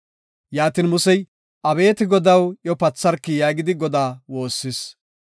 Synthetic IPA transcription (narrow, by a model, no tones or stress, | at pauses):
jaːt̪inmʊsɛj | ʔɐbe̞ːt̪ɪɡɔd̪ɐwjɔpɐt͡sːɐɾkːɪjaːɡɪd̪ɪɡɔd̪aːwo̞ːsːɪs